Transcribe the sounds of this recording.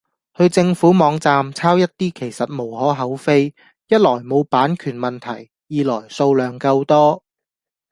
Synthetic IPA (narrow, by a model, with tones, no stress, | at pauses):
hɵ˧ɥt͡sɪ˧ŋfuː˨˥mɔː˨˧ŋt͡saː˧mt͡sʰaː˥wjɐ˥t̚t̪iː˥kʰe˨˩jsɐ˨t̚mo˨˩whɔː˨˥ɦɐ˨˥wfe˥j | jɐ˥t̚lɔː˨˩jmo˨˧wpaː˨˥nkʰyː˨˩nmɐ˨nt̪ʰɐ̰˨˩j | jiː˨lɔː˨˩jso˧wlœː˨˩ŋkɐ˧wt̪ɔː˥